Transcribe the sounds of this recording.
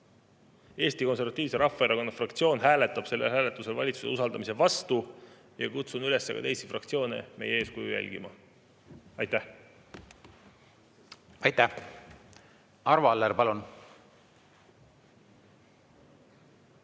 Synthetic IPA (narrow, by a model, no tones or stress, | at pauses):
e̞ːst̪iko̞ns̬e̞ɾvɑt̪ːˑiːvse̞ɾʔɑfːˑɑeɾɑko̞nːɑfrɑkt̪sio̞ːnɦæːle̞t̪ːˑɑb̥se̞lːe̞̰lhæːle̞t̪ːˑuse̞lvɑ̰lʲit̪susḛusɑld̪ɑmise̞vɑst̪u | jɑkut̪sunyle̞sːḛkɑ̰t̪e̞jsifrɑkt̪sio̞ːne̞̰mejee̞ːskujṵjæ̰lʲɡ̥imɑ̰ | ɑjt̪ːæh | ɑjt̪æ | ɑɾvɑlːeɾpɑlun